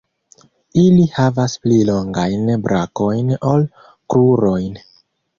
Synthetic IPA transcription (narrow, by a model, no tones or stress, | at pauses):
ilihavasplilo̞ŋɡajnbɾako̞jno̞l | kɾuɾo̞jn